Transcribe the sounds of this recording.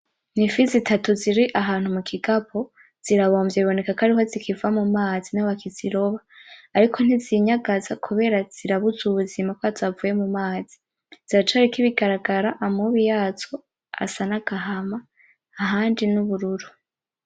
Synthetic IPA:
nifizitʰatuziɾiʔaɦaːn̥humukʰiɡapʰo̞ | z̥iɾaβo̞ːmbjeβiβo̞ne̞kakaɾiho̞zikʰivamumaːzinaβakʰiz̥iɾo̞βaːɾikʰo̞n̥iziɲaɡazakʰuβe̞ɾaz̥iɾaβuzuβuzimakoazavuje̞mumaːzi̥ | z̥iɾat͡ʃaɾikiβiɡaɾaɡaɾaʔamuβijaːzo̞ | a̰sanaɡ̥aɦamaː | ɦaːndinuβuɾuɾu

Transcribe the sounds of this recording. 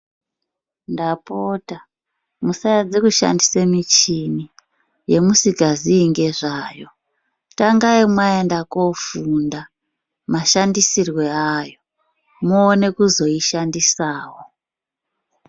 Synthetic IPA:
ndapoːta | musajad͡zekuʃa̰ndisemit͡ʃini | je̞musikaziːŋɡe̞ʐaːjo̞ | taŋɡaimwaendakofunda | maʃandisirwe̞ajo̞ | moːne̞kuzo̞iʃandisaːwo

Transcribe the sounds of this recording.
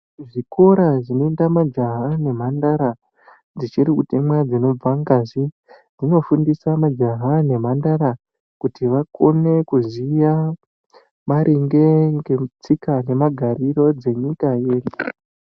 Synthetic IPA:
ʐiko̞ɾaʐinoendamad͡ʒaɦane̞m̤andaɾa | d͡zit͡ʃiɾikutimwad͡zino̞b͡vaŋɡazi | d͡zino̞fundisamad͡ʒaɦane̞mandaɾa | kutʰiʋakʰo̞ne̞kuzija | maɾʔeŋɡe̞ŋɡet͡sikane̞maɡʱaɾiro̞d͡ze̞ɲikajeːri

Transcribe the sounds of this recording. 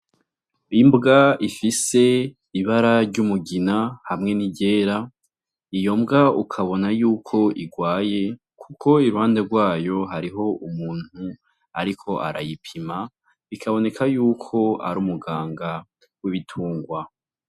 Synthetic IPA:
imbɡaifise̞ | iβaɾaɾɟumuɡinahamŋe̞niɟe̞ːɾa | ijo̞mbɡaukʰaβo̞najuːkʰo̞iɡwaːje | kʰukʰo̞iɾuhaːnde̞ɾɡwaːjo̞ɦaɾiɦo̞ʔumuːn̥hu | aɾikʰo̞ʔa̰ɾa̰jipʰima | ikʰaβo̞ne̞kʰajuːkʰo̞a̰ɾuːmuɡaːŋɡa | wiβitʰuːŋɡwa

